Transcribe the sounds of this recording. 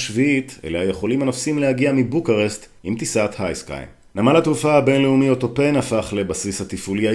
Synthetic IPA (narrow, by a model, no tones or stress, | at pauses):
ʃviit̪ḛleaje̞χo̞limanofsimlehaɡiamibukaʁest̪ | imt̪isat̪hajska̰jm | namalat̪ʁufahabe̞nleumio̞t̪o̞pe̞nafaχle̞basishat̪ifulia